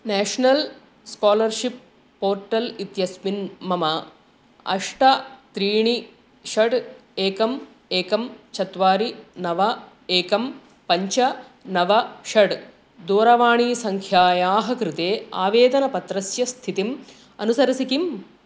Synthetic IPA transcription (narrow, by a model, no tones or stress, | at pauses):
nɛːʂnɐl | skaːlɐɾʃip̚ː | oːɾʈɐlit̪jɐsminmɐmɐ | ɐ̰ʂʈɐt̪ɾiːɳi | ʃɐɖeːkɐm | eːkɐmt͡ʃʰɐt̪ʋaːɾinɐʋɐ | eːkɐm | pɐɲt͡ʃɐnɐʋɐʃɐɖ | d̪oːɾɐʋaːɳiːsɐŋkʰjaːjaːɦɐkɾɪt̪eːaːʋeːd̪ɐnɐpɐt̪ɾɐsjɐst̪ʰit̪im | ɐ̰nusɐɾɐsikim